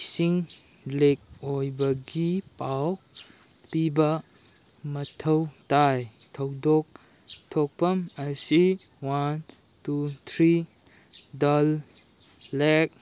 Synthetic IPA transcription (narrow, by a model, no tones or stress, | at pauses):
siŋ | lek̚ojbɐɡipaw | pibɐ | mɐtʰəwtaj | tʰəwdok̚ | tʰɔk̚pɐmɐsi | wan | tut̪ʰɾi | dalː | ɛk̚